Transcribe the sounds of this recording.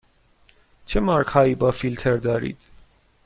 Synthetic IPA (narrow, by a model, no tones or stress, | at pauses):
t͡ʃʰemɑɾkʰhɑːibɒfilt̪ʰeɾd̪ɒːɾḭd̪̥